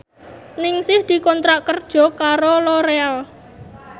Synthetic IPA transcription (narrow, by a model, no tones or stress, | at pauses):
nɪŋsɪhd̪̥i̤kɔnt̪ɾaʔkərd̥ʒ̥ɔ̤kaɾolɔɾeal